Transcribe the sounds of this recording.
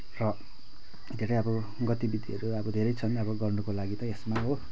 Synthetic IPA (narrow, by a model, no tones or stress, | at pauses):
rʌ | d̪ʱeɾʌjʌbʌ | ɡʌt̪ibid̪ʱiʌɾuʌbʌd̪ʱeɾʌjt͡sʰʌnʌbʌɡʌrnukolaɡit̪ʌesmaɦo